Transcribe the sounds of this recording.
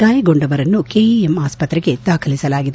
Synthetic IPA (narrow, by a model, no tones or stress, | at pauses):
aːjɐɡo̞ɳɖɐʋɐɾɐnːukeːiemaːspɐt̪ɾɛɡe̞d̪aːkʰɐlisɐlaːɡid̪